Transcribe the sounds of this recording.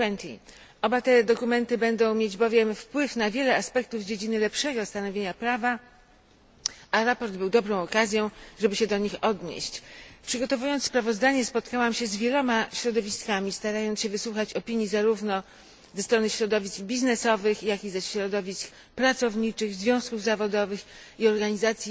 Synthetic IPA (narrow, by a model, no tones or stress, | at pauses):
ɛnt̪ḭ | ʔɔbat̪ɛd̪ɔkumɛnt̪ɘbɛnd̪ɔ̃w̃mʲjed͡ʑbɔvʲjɛmfpwɘfnavʲjɛlɛaspɛk̚t̪uvd͡ʑed͡ʑinɘlɛpʂɛɡɔst̪anɔvʲeɲapɾava | ʔaɾapɔɾd̪bɘwd̪ɔbɾɔ̃w̃ɔkazʲjɔ̃ʐɛbɘɕɛd̪ɔɲixɔd̪ɲḛɕt͡ɕpʂɘɡɔt̪ɔvujɔnt̪spɾavɔzd̪aɲɛspɔt̪kawamɕɛzvʲjɛlɔmaɕɾɔd̪ɔvʲiskamʲist̪aɾajɔnɕɛvɘswuxat͡ɕɔpʲiɲjizaɾuvnɔ | zɛst̪ɾɔnɘɕɾɔd̪ɔvʲiskbʲiznɛsɔvɘxjakʲizɛɕɾɔd̪ɔvʲisk | pɾat̪sɔvɲit͡ʂɘɣzvʲjɔ̃w̃skuvzavɔd̪ɔvɘxiɔɾɡaɲizat̪sʲji